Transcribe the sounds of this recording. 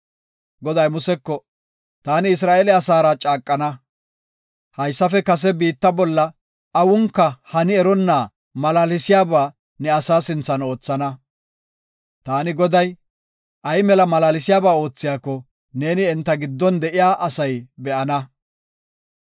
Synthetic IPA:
ɡɔd̪ɐjmʊsɛkːɔ | t̪aːnɪɪs̬ɾaːʔelɛɐsaːɾɐt͡ʃʼaːkʼːɐnɐ | hɐjsːɐfɛkɐs̬ɛbiːt̪ːɐbɔlːɐ | ɐwʊŋkːɐhɐnɪɛɾɔnːaː | mɐlaːlɪsɪjaːbaː | nɛɐsaːsɪnt͡sːɐno̞ːt͡sːɐnɐ | t̪aːnɪɡɔd̪ɐj | ʔɐjmɛlɐmɐlaːlɪsɪjaːbaːo̞ːt͡sːɪjaːkːɔ | ne̞ːnɪɛnt̪ːɐɡɪd̪ːɔnd̪ɛʔɪjaːʔɐsɐjbɛʔɐnɐ

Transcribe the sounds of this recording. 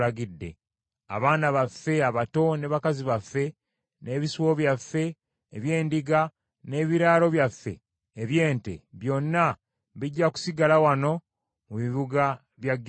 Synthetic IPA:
aɡidːe̞̰ | a̰βaːnaβafːe̞aβato̞ne̞βakaziβafːe̞ | ne̞ːβisuwo̞βjafːe̞ː | βje̞ːndiɡa | ne̞ːβiɾaːlo̞βjafːe̞̰ː | βje̞ːnte̞̰βjo̞nːa | βiɟːaku̥siɡalawano̞ | muβiβuɡa | βjaɡː

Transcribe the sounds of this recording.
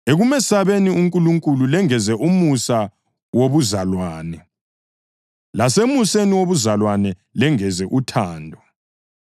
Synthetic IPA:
eɣumɛsaβeniuŋkʼuluŋkʼululɛŋɛzɛʔumusa | woβuzalwaːnɛ | lasemuseniwoβuzalwanɛlɛŋɛzɛʔutʰaːndʱɔ

